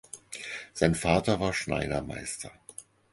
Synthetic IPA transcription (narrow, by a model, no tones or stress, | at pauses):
z̥aɪnfaːtɐvaːɐʃna̰ɪdɐma̰ɪstʰɐ